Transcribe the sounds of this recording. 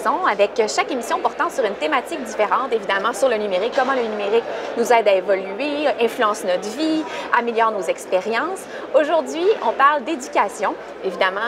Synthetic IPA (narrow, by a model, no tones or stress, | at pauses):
ɔ̃avɛkʃakemisjɔ̃pɔʁt̪ɑ̃syʁynt̪emat̪ik̚d̪ifeʁɑ̃t̪evid̪amɑ̃syʁlənymeʁikːɔmɑ̃lənymeʁiknuzɛːd̪aevɔlyeɛ̃flyɑ̃snɔt̪viameljɔːʁnozɛkspeʁjɑ̃s | oʒuʁd̪ɥiɔ̃paʁld̪ed̪ykʲasjɔ̃ | evid̪amɑ̃